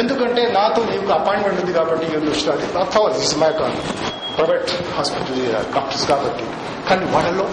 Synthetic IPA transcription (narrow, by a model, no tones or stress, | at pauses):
end̪ukɐɳʈe̞ːnaːt̪oːniːkuɐpaːjɳʈmeɳʈund̪ikaːbɐʈːiɾond̪ʋɐʂilaːd̪iɐt̪ʰːɐʋasisɐmɐjɐkɐ | pɾɐjʋeːʈhaːspiʈɐlkaːpʈɐskaːbɐʈːi | kaːniʋaːɽɐlːoː